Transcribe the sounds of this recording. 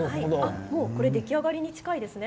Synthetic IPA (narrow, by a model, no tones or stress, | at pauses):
aiamo̞ːko̞ɾe̞d̪e̞kʲiaɡaɾʲiɲ̟it͡ɕi̥kaid̪e̞sɨne̞